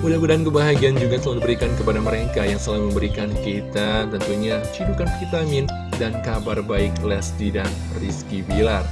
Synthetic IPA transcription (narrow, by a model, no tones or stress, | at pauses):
udahbədaankəbaɦaɡiand͡ʒuɡat̪əladibəɾikankəpadaməɾekajaŋsəlaŋməmbəɾikankit̪at̪ənt̪uɲat͡ʃidukanfit̪amɪn | dankabarbaɪklɛsdidan | riskibilar